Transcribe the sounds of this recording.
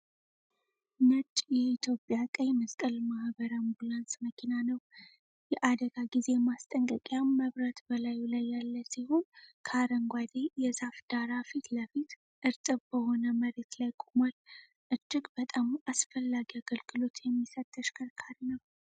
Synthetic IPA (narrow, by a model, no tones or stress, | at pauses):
nət͡ʃʼjɛit̪ʰjo̞pʼjakʼəjməst̪ʼəlmahbəɾambulansməkʰinanəw | jɛʔad̪əɡaɡize̞mast̪ʼəŋkʼəkʼjaməβɾət̪bəlajlajːalːəsihonkʰaɾəŋɡʷad̪ejɛzafd̪̥aɾafit̪ləfit̪ | ʔɨɾt̪ʼɨβbəho̞nəməɾe̞t̪lajkʼumal | ʔɨd͡ʒːɪɡbət̪ʼamʔasfəlːaɡiaɡəlɡɨlo̞t̪ʰjɛmːisət̪ʰʼːəʃkʰəɾkʰaɾnəw